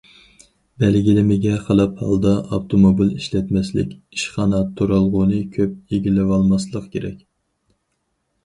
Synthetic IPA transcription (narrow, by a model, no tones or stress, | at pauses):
bɛlɡʲilɪmɪɡʲɛχəlˠɑphɑ̰lˠd̪ɑʔɑpt̪ʰomobiliʃlɛt̪mɛslɪ̰kʲ | i̥ʃχɑnɑt̪ʰːuɾɑlˠʁʊnɨkʲʰøp̚eɡʲilːɪwɑlˠmɑslˠəqkʲʰeɾɛ̰kʲ